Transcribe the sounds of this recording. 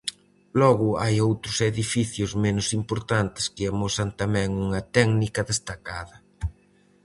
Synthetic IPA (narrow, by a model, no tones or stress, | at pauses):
lɔɣʊajowt̪ɾʊseðifiθjʊzmenʊsimpoɾt̪ant̪ɪ̥skɪamosɐnt̪amɛ̃ŋuŋɐt̪ɛknikɐðest̪akaðɐ